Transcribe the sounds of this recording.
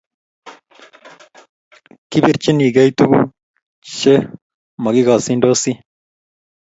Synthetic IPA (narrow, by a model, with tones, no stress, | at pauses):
ki˦bi˦ɾt͡ʃi˦ni˨ɡe˦jt̪u˦ɡu˦ | ʃe˦ | mɐ˨ɡi˦ɡa˨si˦ndo˦si˦